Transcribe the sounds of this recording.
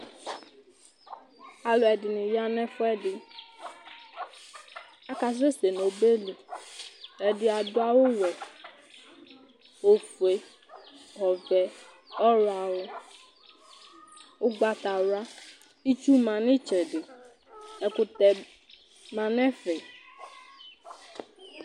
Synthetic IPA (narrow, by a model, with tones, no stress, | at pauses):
a˨lɔ˨ɛ˨dɪ˨nĩ˨ja˦nɛ̃˦fʊ˦ɛ˦ɖɪ˨ | a˦ka˨sɾe˦se˨no˨be˦le˨ | ɛ˨dɪ˨a˨dʊ˦a˦wo˦wɛ˨ | wo˨fu˨e˨ | hɔ˨vɛ˨ | ɔ˦ɾa˨wɔ˦ | wo˦ɡ͡ba˦t̪a˨wa˦ | i˦t͡ʃu˦mã˨nɪ̃˦t͡ʃɛ˨ɖɪ˨ | ɛ˨kʊ˨t̪ɛ˨ | mã˨nɛ̃˦fɛ˨